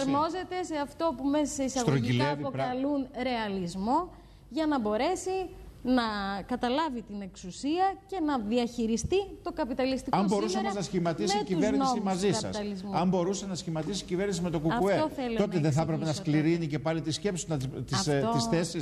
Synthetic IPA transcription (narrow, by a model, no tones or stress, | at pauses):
ɐɾmo̞ze̞t̪e̞seɐft̪o̞pumessisɐɣt̪ɾoʝiilevipoɐlunɾe̞ɐlizmo̞ | ʝɐnɐbo̞ɾe̞sinɐkɐt̪ɐlɐvit̪ine̞ksusiɐce̞nɐðiɐçiɾist̪it̪o̞kɐpit̪ɐlist̪ikɐmboɾusɐmɐznɐsçimɐt̪isiciveɾnniosimɐzisɐɐ̰st̪ɐllizmɐmbo̞ɾusenɐsçimɐt̪isicive̞ɾnisime̞t̪o̞kuɐkueoθelut̪o̞t̪eðeθɐpɾepenɐskliɾinice̞pɐlit̪isce̞psuɐt̪ist̪isθesi